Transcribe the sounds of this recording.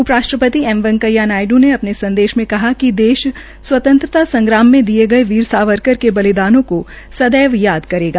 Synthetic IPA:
ʊpɾaːʃʈɾəpət̪iɛːmʋɐ̃ŋkəjanaːɪɖũneɐpnesɐ̃nd̪eːʃmẽkɐɦakid̪eːʃ | swɐt̪ə̃nt̪ɾət̪asɐ̃ŋɡɾaːmːẽd̪ieɡɐeʋiːɾsaːʋəɾkəɾkebɐlɪd̪aːnõko | sɐd̪ɛːʋjaːd̪kɐɾeːɡa

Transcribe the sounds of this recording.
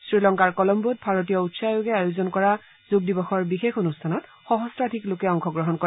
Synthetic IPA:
sɹilɔŋkaɹkɔlɔmbut̚bʱaɹot̬ijɔutsajoɡɛajozɔnkɔɹa | z̥ʊɡ̚dibɔxɔɹbixexonustʰanɔt | xɔɦɔstɹatʰiklokɛɔŋxɔɡɹɔɦɔnkɔ

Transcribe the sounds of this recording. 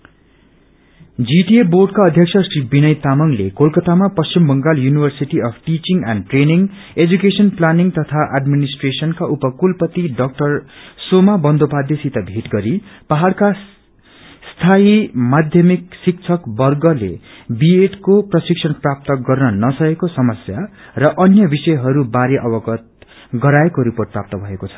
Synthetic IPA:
d͡ziʈieborɖkaʌd̪ʱjʌksʰʌsribinʌjt̪amʌŋlḛkolkʌt̪amapʌst͡ɕimbʌŋɡaljunibʱʌrsiʈiʌpʰʈit͡ʃiŋɡa̰nʈreniŋ | ed͡zukesʌnplaniŋt̪ʌt̪ʰaʔaɖminisʈresʌnkaʔupʌkulpʌt̪iɖʌk̚ʈʌrsomabʌnd̪opad̪jesit̪ʌbʱeʈɡʌɾipaɦalka | st̪ʰaimad̪ʱjʌmiksik̚t͡sʰʌkbʌrɡʌlḛbieʈkoprʌsik̚sʰʌnprap̚t̪ʌɡʌrnʌnʌsʌkekosʌmʌsjarʌʔʌnjʌbisʌjɦʌɾubaɾeʔʌbʌɡʌt̪̚ | ɡʌɾaekoɾiporʈ̚prap̚t̪ʌbʱʌekot͡sʰʌ̥

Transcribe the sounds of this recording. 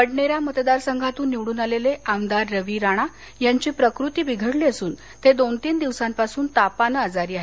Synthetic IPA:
pəɽɳeɾjamət̪d̪aɾsəŋɡʱat̪uːnːiʋɽuːnaleleamd̪aɾːəʋiɾaɽ̃a | jaɲt͡ɕiːpɾəkɾut̪iːbiɡʱəɽliəsuːn | t̪ed̪ont̪iːnd̪iʋsampasuːnt̪apanəad͡zaɾiːaɦe

